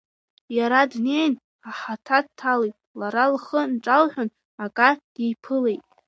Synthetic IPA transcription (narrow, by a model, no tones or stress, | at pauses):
jaɾadne̞jn | aħatʰad̚tʰalejtʼlaɾalχənʈ͡ʂʼalħʷᶣʊn | akʼad̥ejpʰɨlejtʼ